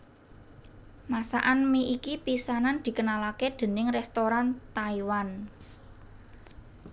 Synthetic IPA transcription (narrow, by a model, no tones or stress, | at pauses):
masa̰ʔanmiʔikipisanand̪̥i̤kənalaked̪̥e̤nɪŋrɛst̪oɾant̪aiwan